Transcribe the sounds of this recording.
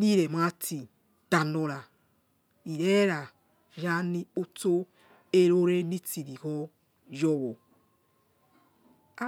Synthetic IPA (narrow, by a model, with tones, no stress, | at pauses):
ni˦ɾe˨ma˦tʰi˨ | d̥a˨no˨ɾa˨ | i˨ɾe˦ɾa˨ | ja˦ni˦o˦to˦ | e˦ɾo˦ɾe˦ni˦ti˨ɾi˨kɔ˦ | jɔ˦wo˨ | a˦